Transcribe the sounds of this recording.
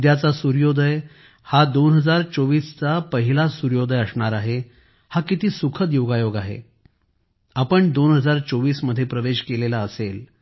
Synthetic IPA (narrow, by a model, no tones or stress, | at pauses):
d̪jat͡sasuɾjod̪ʱəj | had̪onɦəd͡zaɾt͡soʋiːst͡sapəɦilasuɾjod̪ʱəjəsɳaɾaɦe | hakit̪iːsukʰət̪joɡajoɡaɦḛ | apəɳd̪onɦəd͡zaɾt͡soʋiːsməd̪ʱːjepɾəʋeɕkelelaəsel